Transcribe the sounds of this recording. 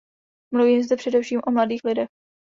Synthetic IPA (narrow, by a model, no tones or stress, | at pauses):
mluviːmzd̪ɛpr̥ɛdɛfʃiːmʔomladiːxlɪdɛx